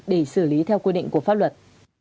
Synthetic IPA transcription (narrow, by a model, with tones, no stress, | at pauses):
ɗe˧˩sɨ˧˩li˨˦t̪ʰɛ˧wkwi˧ɗḭ˧˨ŋ̟ku˧˩əfa˦˥p̚lə˨˩t̚